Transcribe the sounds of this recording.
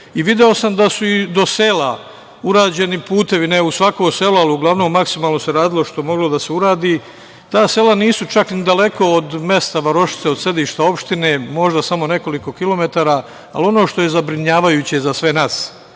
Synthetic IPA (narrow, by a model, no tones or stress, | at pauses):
iʋid̪eosamd̪asuid̪o̞se̞ːla | uɾaːd͡ʑe̞nipuːt̪e̞ʋine̞usʋakomse̞lualiuɡlˠaʋnoːmːaksimaːlˠno̞se̞ɾaːd̪ilo̞ʃt̪omo̞ɡlo̞d̪aseuɾaːd̪iː | t̪aːse̞ːlaniːsut͡ʃaknid̪ale̞ko̞ːd̪me̞st̪aʋaɾo̞ʃi̥t̪seod̪se̞d̪iːʃt̪ao̞pʃt̪ine̞ːmo̞ʒd̪asamo̞ne̞ko̞liko̞kilo̞me̞t̪aːɾa | a̰lio̞no̞ːʃt̪o̞je̞zabɾiɲaːʋajuːt͡ɕe̞zasʋe̞naːs